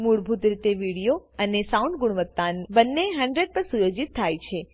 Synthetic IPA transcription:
muɽbʱut̪ɾit̪eʋiɽijoənesauɳɖ̚ɡʊɽʋət̪ːanbənːeɦəɳɖɾeɖ̚pəɾsujod͡ʒit̪ʰːajt͡ʃʰe

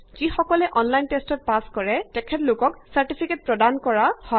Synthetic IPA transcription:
z̥ixɔkɔlɛʔɔnlajntestɔt̚paskɔɹɛtɛkʰɛtlʊkɔksaɹtipʰiket̚pɹɔdankɔɹahɔ

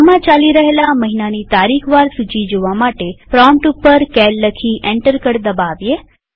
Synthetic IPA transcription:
mãt͡ʃaliɾəɦelaməɦinanit̪aɾikʰʋaɾsut͡ʃid͡ʒoʋamaʈepɾɔmʈupːəɾkɛlːəkʰiʔẽɳʈəɾkəɾd̪əbaʋje

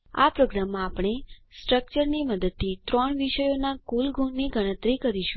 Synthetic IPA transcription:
a̰pɾoɡɾamːãːpɳ̃esʈɾək̚t͡ʃəɾniməd̪əd̪̚t̪ʰit̪ɾɔɳʋiʃəjonakulɡʱuɳːiɡʱəɽ̃ə̃t̪ɾikəɾiʃu̥

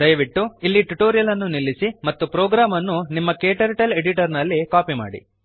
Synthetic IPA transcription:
d̪ɐjɐʋiʈːuilːiʈuʈoːɾijɐlɐnːunilːisimɐt̪ːupɾoːɡɾaːmɐnːunimːɐkeːʈɐɾʈɐle̞ɽiʈɐɾnɐlːikaːpima̰ːɽḭ

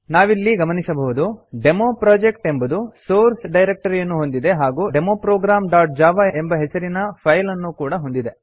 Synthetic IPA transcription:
naːʋilːiɡɐmɐnisɐbɐɦud̪uɖe̞moːpɾaːd͡ʒekʈe̞mbɐd̪usoːɾsɖɐjɾek̚ʈɐɾijɐnːuɦo̞nd̪id̪e̞ɦaːɡuːɖemoːpɾoːɡɾaːmɖaːʈ̚d͡ʒaːʋaembɐɦesɐɾinɐpʰɐjlɐnːuːkuːɽɐɦo̞nd̪id̪e̞

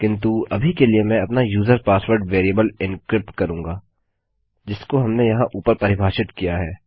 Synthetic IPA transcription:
kɪ̃nt̪uɐbʱikeliemɛ̃ɐpnajuːzəɾpaːsʋəɾɖʋeːɾijəbəlɪnkɾɪp̚ʈ̚kɐɾũːŋɡaː | d͡ʒɪskoɦɐmnejɐɦãʔuːpəɾpɐɾɪbʱaːʃɪt̪kijaɦɛː

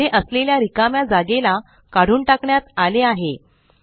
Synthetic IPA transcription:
eʔəsleljaɾikamjad͡zaɡela | kaɽ̤uːɳʈakɳjat̪aleaɦe

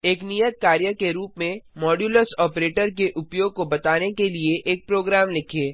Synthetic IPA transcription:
eːknijət̪̚kaːɾjəkeɾuːpmẽmɔːɖjuːləsɔːpɾeːʈəɾk̬eʔʊpjoːɡ̚kobɐt̪aːnekelieʔeːk̚pɾoːɡɾaːmlɪkʰeː

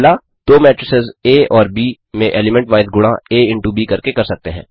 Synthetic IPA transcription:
la | d̪oːmɛːʈɾɪsɪzeːɔːɾbiː | mẽʔeːlɪmɛ̃ɳʈʋaːɪd̪ɡʊɽ̃ãeːɪ̃ɳʈubiːkɐɾkekɐɾsɐk̚t̪eɦɛ̰̃ː

